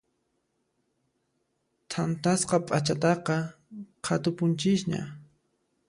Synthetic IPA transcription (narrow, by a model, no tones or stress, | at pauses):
t̪ʰant̪asqɑpʼat͡ʃat̪ɑqɑ | qʰat̪ʊpʊnt͡ʃɪʃɲa̰